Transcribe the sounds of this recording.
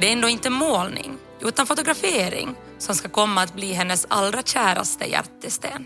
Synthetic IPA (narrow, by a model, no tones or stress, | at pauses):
d̪ɛɾɛnd̪oːɪnt̪əmoːlnɪ̰ŋ | ʔʉ̟ːt̪anfʊt̪ʊɡɾafeːɾɪ̰ŋ | sɔmskakʰɔmːaːt̪̚bliːɦɛnːəsa̰lɾaɕæːɾa̰st̪ə̰jæ̰ɾt̪ːəst̪ḛːn